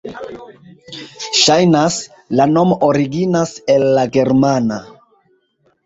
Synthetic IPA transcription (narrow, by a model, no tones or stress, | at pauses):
ʃajnas | lano̞moʔoɾiɡinase̞lːaɡe̞ɾmana